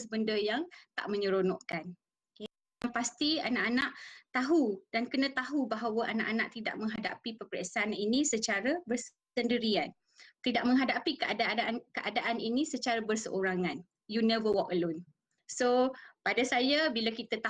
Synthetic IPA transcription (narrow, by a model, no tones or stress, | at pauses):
sbəndəjaŋt̪a̰ʔmə̃ɲəɾonɔʔkan | ke | anpast̪ia̰naʔanaʔt̪aɦud̥ankənə̃t̪aɦubaɦawəʔana̰ʔana̰ʔt̪ida̰ʔ̚mə̃ŋɦada̰pipəpɾḛʔsaninĩsət͡ʃaɾabər | səndəɾian | t̪idaʔ̚mə̃ŋɦadapikəadaankəʔadaʔaninĩsət͡ʃaɾabərsəʔoɾaŋan | junɛvəwɔkəlʊn | sopadasajabilakit̪at̪a